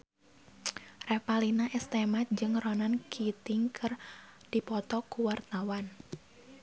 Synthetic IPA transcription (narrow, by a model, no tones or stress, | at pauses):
rɛpalinaʔɛst̪emat̪̚d͡ʒɨŋrɔnankʰit̪iŋkʰɨrd̥ipɔt̪ɔkuwart̪awan